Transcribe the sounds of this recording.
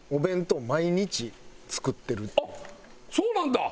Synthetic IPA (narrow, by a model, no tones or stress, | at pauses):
o̞bẽ̞nt̪o̞ːmaiɲ̟it͡ɕit͡sɨ̥kɯ̟t̪ːe̞ɾɯ | soːnãnd̪a